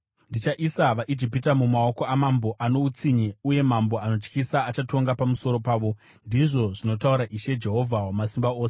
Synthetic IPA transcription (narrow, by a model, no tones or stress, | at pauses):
ndit͡ʃaʔisaʋaʔid͡ʒipitamumao̞ko̞amamboʔano̞ut͡siɲeuje̞mambo̞ano̞t͡ʃkisaːt͡ʃato̞ŋɡapamuso̞ɾo̞paːʋo̞ | ndiʐo̞ʐino̞tauɾaʔiʃe̞d͡ʒe̞ɦo̞vʱawamasimbaoːse